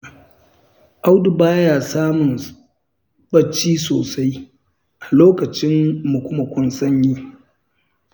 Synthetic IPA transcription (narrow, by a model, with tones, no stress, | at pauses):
ʔa˦wdu˨baː˦jaː˨saː˦mʊ˨n | ɓɐ˦˨t͡ʃːiː˦soː˨sa˦j | ʔa˨loː˦kɐ˨t͡ʃɪ˦mːʊ˨kʷʊ˦mɐ˨kʷʊ˦nsɐ˦ɲjiː˦